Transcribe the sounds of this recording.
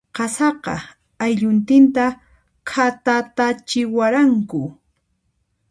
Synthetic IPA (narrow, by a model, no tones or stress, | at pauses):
qɑsɑqɑ̰ | ajʎʊnt̪ɪnt̪a | kʰat̪at̪at͡ʃɪwaɾaŋkʊ